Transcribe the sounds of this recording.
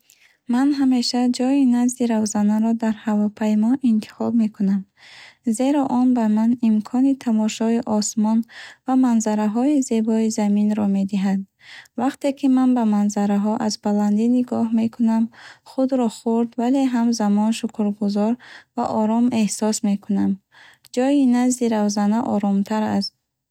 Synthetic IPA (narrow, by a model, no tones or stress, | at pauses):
manɦame̞ʃad͡ʒɔinazd̪iɾavzanaɾɔd̪aɾhavɔpʰajmɔʔint̪ʰi̥χɔb̚me̞kʰunam | ze̞ɾɔʔɔnbamanimkʰɔnit̪ʰamɔʃɔiʔɔsmɔnvamanzaɾaɦɔize̞bɔizaminɾɔme̞d̪iɦad̪̚ | vaqt̪e̞kʰimanbamanzaɾaɦɔʔazbaland̪iniɡɔhme̞kʰunamχud̪ɾɔχuɾd̪vale̞ɦamzamɔnʃukʰɾɡuzɔɾvaʔɔɾɔme̞hsɔsme̞kʰunam | d͡ʒɔjinazd̪iɾavzanaʔɔɾɔmt̪ʰaɾa̰st̪̚